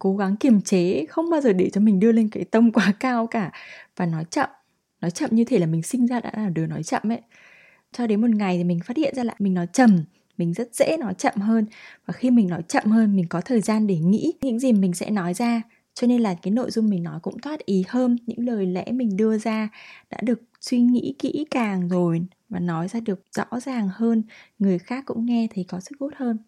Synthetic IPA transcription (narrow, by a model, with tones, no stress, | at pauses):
ko˨˦ɣa˨˦ŋki˧˩əmt͡ɕe˨˦xə˧wŋ͡mɓaː˧wzəː˨˩ɗe˧˩t͡ɕɔ˧mï˨˩ŋ̟ɗɨ˧əle˧nkaː˨˦jt̪ə˧mkwaː˨˦kaː˧wkaː˧˩vaː˨˩nɔ˨˦jt͡ɕə̰˧˨m | nɔ˨˦jt͡ɕə̰˧˨mɲɨ˧t̪ʰe˧˩laː˨˩mï˨˩ŋ̟sï˧ŋ̟zaː˧ɗa̰ː˧˥laː˨˩ɗɨ˨˩nɔ˨˦jt͡ɕə̰˧˨mʔə˨˦j | t͡ɕɔ˧ɗe˨˦nmo˨˩t̚ŋa˨˩jt̪ʰi˨˩mï˨˩ŋ̟faː˦˥t̚hḭ˧˨ənzaː˧la̰ː˧˨jmï˨˩ŋ̟nɔ˨˦jt͡ɕə˨˩m | mï˨˩ŋ̟zə˦˥t̚z̥ɛ̰˧˥nɔ˨˦jt͡ɕə̰˧˨mɦəː˧nvaː˨˩xi˧mï˨˩ŋ̟nɔ˨˦jt͡ɕə̰˧˨mhəː˧nmï̟˨˩kɔ˨˦t̪ʰəː˨˩jzaː˧nɗe˧˩ŋḭ˧˥ɲɨ̰˧˥ŋzi˨˩mï˨˩ŋ̟sɛ̰˧˥nɔ˨˦jzaː˧ | t͡ɕɔ˧ne˧nlaː˨˩kaː˨˦jno̰˧˨jzʊ˧ŋ͡mmi˨˩ŋ̟nɔ˨˦jkʊ̰˧˥ŋ͡mt̪ʰwaː˦˥t̚ʔi˨˦həː˧nɲɨ̰˧˥ŋləː˨˩jlɛ̰˧˥mï˨˩ŋ̟ɗɨ˧əzaː˧ɗa̰ː˧˥ɗɨ˨˩ək̚swi˧ŋḭ˧˥kḭ˧˥kaː˨˩ŋzo˨˩j | vaː˨˩nɔ˨˦jzaː˧ɗɨ˨˩ək̚z̥ɔ̰˧˥zaː˨˩ŋhəː˧nŋɨ˨˩əjxaː˦˥kːʊ̰˧˥ŋ͡mŋɛ˧t̪ʰi˨˩kɔ˨˦sɨ̥˦˥k̚zo˦˥t̚həː˧n